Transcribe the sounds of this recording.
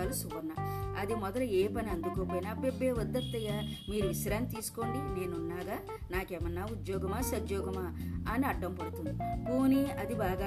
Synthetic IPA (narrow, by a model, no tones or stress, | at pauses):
aːlusuʋɐnːa̰ːɐd̪imɔd̪ɐlɐeːpɐniɐnd̪ukoːpoːjinaːpebːe̞ːʋɔd̪ːɐt̪ːɐɡaːmiːɾuʋiʃɐɾaːnit̪iːsu̥ko̞ːɳɖine̞ːnunːaːɡaː | naːkeːmɐnːaːud̪jɔːɡɐmaːsɐd͡ʒjɔːɡɐmaːɐniɐɖːɐmpɐɽut̪und̪ikoːniɐd̪ibaːɡaː